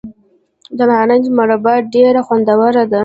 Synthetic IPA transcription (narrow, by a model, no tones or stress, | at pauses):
d̪amɑnand͡ʒmaɾabɑɖeɾaxwand̪awaɾad̪a